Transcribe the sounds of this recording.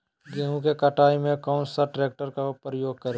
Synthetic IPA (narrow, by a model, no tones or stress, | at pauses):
ɡɛɦũkekɐʈʰaːimẽkaʊ̃nsaʈɾeːk̚ʈəɾkapɾəjoːɡ̚kɐɾ